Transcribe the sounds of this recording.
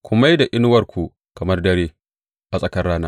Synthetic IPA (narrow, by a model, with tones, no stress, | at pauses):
kʷʊ˨ma˦jda˨ʔɪ˦nʊ˦wɐ˨rkʷu˨ | kɐ˨mɐ˦rdɐ˦ɾeː˦ | ʔa˨sʼɐ˦kɐ˦rːaː˦naː˦